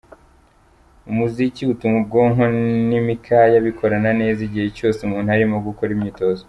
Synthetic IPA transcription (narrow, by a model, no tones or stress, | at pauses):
umuziciutumub̚ɡo̞ːŋo̞nimikʰajaβikʰo̞ɾanane̞ːziɟihe̞co̞ːseumuːnuhaɾimoɡuko̞ɾimɲiːto̞zo